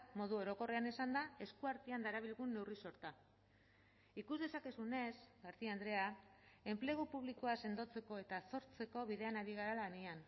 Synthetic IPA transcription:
mo̞ðuo̞ɾo̞ko̞reanesand̪ae̞skuaɾt̪iand̪aeɾaβ̞ilɣunːe̞wriso̞ɾt̪a | ikuzðe̞sake̞sune̞sɡaɾt̪iand̪ɾe̞ae̞mple̞ɣ̞upuβlikoase̞nd̪o̞t͡se̞ko̞e̞t̪aso̞ɾt͡se̞ko̞β̞iðe̞anaɾiɣ̞aɾalanian

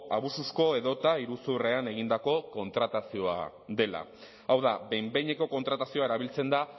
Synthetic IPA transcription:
aβ̞ususko̞e̞ðo̞t̪aiɾusure̞ane̞ɣ̞ind̪ako̞ko̞nt̪ɾat̪asio̞a̰ | ðe̞la̰ | awðaβe̞jmbe̞jɲe̞ko̞ko̞nt̪ɾat̪asio̞aeɾaβilt͡se̞nd̪a

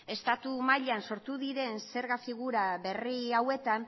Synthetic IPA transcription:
e̞st̪at̪umaʎanso̞ɾt̪uðiɾe̞nse̞ɾɣafiɣ̞uɾaβe̞riawe̞t̪an

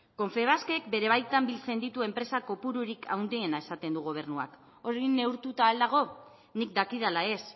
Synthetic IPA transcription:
ko̞ɱfe̞β̞aske̞k̚be̞ɾe̞β̞ajt̪ambilt͡se̞nd̪it̪ue̞mpɾe̞sako̞puɾuɾikʰa̰wnd̪ienae̞sat̪e̞nd̪uɣo̞β̞e̞rnua̰k | o̞ɾinːe̞wɾt̪ut̪aːld̪aɣ̞o̞ | nik̚d̪akiðalae̞s

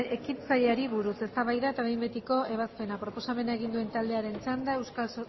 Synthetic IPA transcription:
ekint͡saʎeaɾiβuɾuse̞st̪aβajðaet̪aβe̞jmbe̞t̪iko̞e̞β̞aspe̞napɾo̞po̞same̞nae̞ɣ̞ind̪ue̞nt̪ald̪e̞aɾe̞nt͡sand̪ae̞wskal

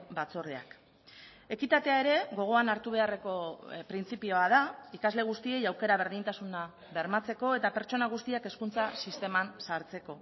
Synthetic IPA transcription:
bat͡soɾea̰k | e̞kit̪at̪e̞ae̞ɾe̞ɣo̞ɣ̞o̞anaɾt̪uβ̞e̞are̞ko̞pɾint͡sipio̞að̞aikazle̞ɣ̞ust̪ie̞jawke̞ɾaβ̞e̞ɾðint̪asuna | βe̞ɾmat͡se̞ko̞e̞t̪ape̞ɾt͡ʃo̞naɣ̞ust̪iake̞skunt͡sasist̪e̞mansaɾt͡se̞ko̞

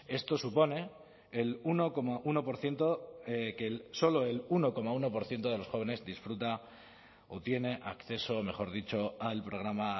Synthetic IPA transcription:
e̞st̪o̞supo̞ne̞ː | luno̞ko̞maʔuno̞po̞ɾθje̞nt̪o̞eke̞lso̞lo̞e̞luno̞ko̞mauno̞po̞ɾθjent̪o̞ð̞e̞lo̞sxo̞β̞e̞ne̞zðisfɾut̪a | ot̪je̞ne̞ʔa̰kθe̞so̞me̞xo̞ɾðit͡ʃo̞alpɾo̞ɣ̞ɾama

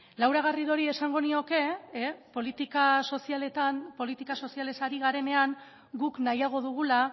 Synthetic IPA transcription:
lawɾaɣ̞ariðo̞ɾie̞saŋɡo̞nio̞ke̞po̞lit̪ikaso̞sialet̪anpo̞lit̪ikaso̞siale̞saɾiɣ̞aɾe̞ne̞aŋ | ɡuknajaɣ̞o̞ðuɣ̞ula

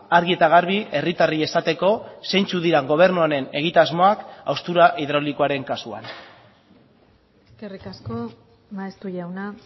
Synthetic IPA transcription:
aɾɣie̞t̪aɣ̞aɾβ̞iʔe̞rit̪arie̞sat̪e̞ko̞se̞nt͡suðiɾaŋɡo̞β̞e̞ɾnuaɾe̞ne̞ɣ̞it̪azmo̞aka̰wst̪uɾaʔiðɾolikoaɾe̞ŋkasua̰n | eske̞rikasko̞ | naest̪uʎawna

